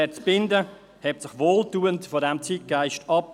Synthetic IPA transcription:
ɛt͡sb̥ɪndə | hɛp̚sɪχʋoːltuːəntfɔːɾɛmt͡siːt̚ɡ̥aɪʃtɑp

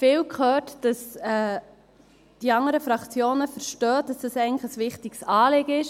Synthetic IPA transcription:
fɪːlkχøːtd̥ɑsɛ | d̥iɑŋəɾəfɾɑkt͡sjoːnəfəɾʃtœːd̥ɑsd̥ɑsɛɪɡənləəsʋɪχtɪksɑːlɪɡ̥əɪʃ

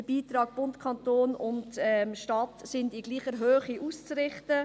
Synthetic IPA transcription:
əb̥iːt̪ɾɑːɡ̥̚b̥ʊntkʰɑntoːnʊndɛmʃtɑtsɪndiɡliːχəɾɦøːχiʔust͡srɪχtə

